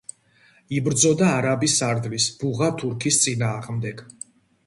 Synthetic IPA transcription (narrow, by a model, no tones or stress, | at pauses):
ibɾd̪zɔd̪aːɾabisaɾd̪lisb̥uʁat̪ʰuɾkʰist̪sʼinaːʁmd̪ɛɡ̥